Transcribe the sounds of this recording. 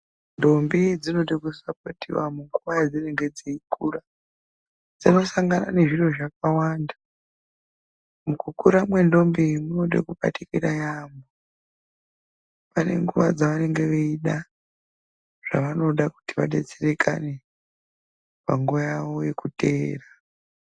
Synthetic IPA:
ndo̞mbid͡zino̞ɗekusapotḭwamuŋɡuʋajad͡zine̞ŋɡe̞d͡ziikura | d͡zino̞saŋɡana̰ne̞ʐiro̞ʐak̚awaːnda | mukukuɾamwe̞ndo̞mbimunoɗḛkuɓa̰tikiɾajambo | pane̞̰ŋɡuʋad͡zaʋane̞ŋɡe̞ʋeiɗa | ʐ̥a̰ʋano̞ɗaku̥tiʋa̰ɗe̞t͡sere̞kʰa̰ne̞ | paŋɡuʋajaʋo̞je̞kute̞ːra

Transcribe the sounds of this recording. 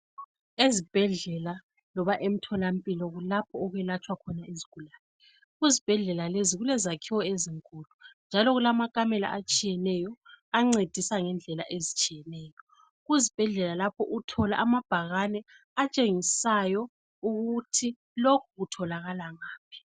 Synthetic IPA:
ezib̥ʱɛɮɛla | lɔβaʔem̩tʰɔlam̩pʼilɔɣulapʰɔːɣwɛlat͡ʃʼwakʰɔnaeziɡ̥ʱulaːnɛ | ɣuzib̥ʱɛɮɛlaleziɣulɛzakʰiwɔeziŋkʼulund͡ʒʱalɔɣulamakʼamɛla̰ʔat͡ʃʼijɛnɛjɔaŋ͡ǀed̥ʱisaŋɛnd͡ɮʱɛla̰ʔezit͡ʃʼijɛnɛːjɔ | ɣuzib̥ʱɛɮɛlalapʰɔʔutʰɔla̰ʔamab̥ʱaɣanɛ | at͡ʃʼeŋisajɔ | uɣutʰi | lokʰuɣutʰɔlaɣalaŋaːp̚ʰi̥

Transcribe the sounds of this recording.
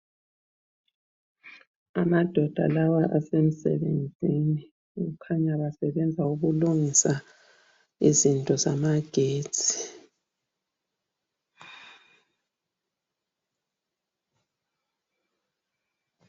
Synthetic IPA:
amad̥ʱɔd̥ʱa̰lawaʔasem̩sɛ̰βend͡zʱini | ɣukʰaɲaβasɛβɛnd͡zʱauɣuluŋisa | ḭzintʼɔzamaɡ̥ʱe̥ːt͡sʰʼi̥

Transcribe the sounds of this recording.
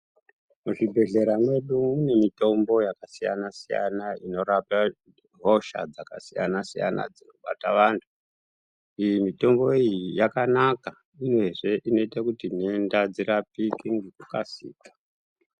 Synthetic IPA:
muʐibʱe̞ɮe̞ɾamwe̞ɗuune̞mito̞mbo̞jakasija̰nasija̰naino̞ɾapa | ɦo̞ʃa̰d͡zaka̰sijanasija̰na̰d͡zino̞ɓa̰taʋantʰu̥ | ijimito̞mbo̞ijijakanaka | ino̞eʐe̞ʔino̞itakutiniendad͡ziɾapikiŋɡekuka̰sḭːkḁ

